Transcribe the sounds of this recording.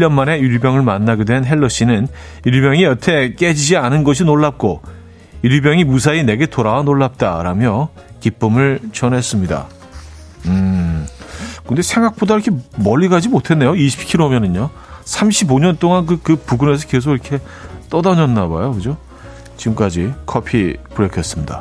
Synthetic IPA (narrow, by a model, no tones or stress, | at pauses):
ʎːʌnmane̞uɾbjʌŋɯɭmanːaɡidwe̞nɦe̞ɭːʌɕ͈inɯn | iɾbjʌŋiʌtʰe̞k͈e̞d͡ʑid͡ʑianɯnɡʌɕ̬ʰinoɭːap̚k͈o | iɾibjʌŋimus̬ʰaine̞ɡe̞toɾawanoɭːap̚t͈aɾamjʌ | kip͈ɯmɯɭt͡ɕʌnɦe̞s͈ɯmɲida̰ | ɯ | kɯnde̞sʰe̞ŋɡak̚p͈odaiɾʌkʰemʌʎːiɡad͡ʑimotʰe̞nːe̞joiɕʰi̥p̚kʰiɾomjʌnɯɲo | sʰamɕʰiboɲʌnt͈oŋank̬ɯkɯpuɡune̞s̬ʰʌke̞s̬ʰoɡiɾʌkʰe̞ | t͈ʌdaɲʌnːaba̰jokɯd͡ʑo | t͡ɕiɡɯmk͈ad͡ʑikʰʌpʰipuɾekʰjʌs͈ɯmɲida̰